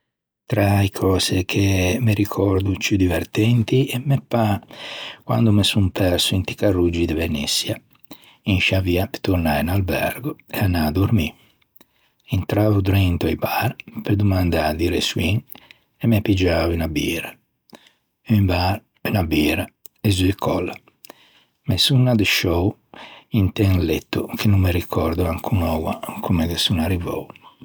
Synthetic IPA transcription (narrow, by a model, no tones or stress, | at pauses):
t̪ɾaikʰɔːsekʰemeɾikʰɔɾd̪ut͡ʃud̪ivɛɾt̪ɛnt̪iɛmːepːa | kwa̰nd̪umesumpʰɛɾsuint̪i̥karud͡ʒid̪evenḭsːja | inʃaviape̥t̪uɾnainalbɛ̰ɾɡoɛanːad̪uɾmi | int̪ɾaːvud̪uɾɛnt̪ajbaɾpeɾd̪umand̪ad̪iɾḛswiŋ | ɛmɛpid͡ʒaːvinabiːɾa | imbaɾ | inabiːɾa | ezuikʰɔlːa | mesunːad̪eʃɔwint̪ɛŋlɛt̪ːukʰenumːeɾikʰɔɾd̪uaŋkʰunɔwakʰumeɡesunarivɔ̰w